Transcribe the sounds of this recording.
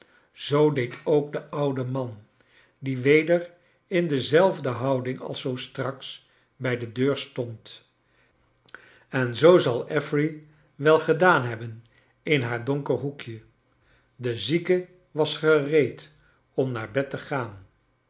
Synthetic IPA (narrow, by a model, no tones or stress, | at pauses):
z̥owdejtʰowk̚dəʔʌwdəmɑn | diʋejdər | ɪndəzɛlˠvdəɦɑwdɪŋɑ̰lˠsowstrɑks | bɛjdədøːɹstɔnt | ɛnzowzɑlˠɛfri | ʋɛlˠχədaːnɦɛbən | ɪnɦaːɹdɔŋkəɹɦukjə | dəzikə | ʋɑsχərejt | ɔmnaːɹbɛtəχaːn